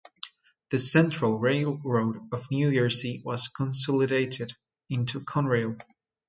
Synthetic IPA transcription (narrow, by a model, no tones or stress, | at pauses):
ðɨsɛ̃nt͡ʃɹ̥əlˠɹeɪlˠɹoʊɾʌvnjʉjə˞siwʌz̥kʰə̃nsɔlˠɨɾeɪɾɪɾ | ɪ̃ntʰukʰɔ̃nɹeɪlˠ